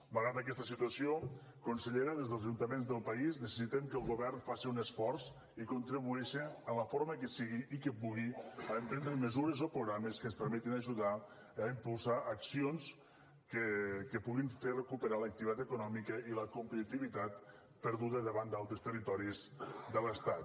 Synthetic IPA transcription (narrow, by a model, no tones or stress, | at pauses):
maɣɾaðək̬ɛst̪əsit̪uəsio | kunseʎeɾəðezðəlˠzaʒunt̪əmenzðəlˠpaiznəsəsit̪ɛmkəlˠɣuβɛrnfasiunəsfɔɾs | ikunt̪ɾiβuɛʃəələfoɾməkəsiɣiikəpuɣiaəmpɾɛnd̪ɾəməzuɾəzopɾuɣɾaməskənspəɾmɛt̪inaʒuða | əimpulˠsaʔəksions | kəkəpuɣinferəkupəɾalək̚t̪iβit̪at̪əkunɔmikəiləkumpət̪it̪iβit̪at̪ | pəɾðuðəðəβand̪alˠt̪ɾəst̪ərit̪ɔɾizd̪ələst̪at̪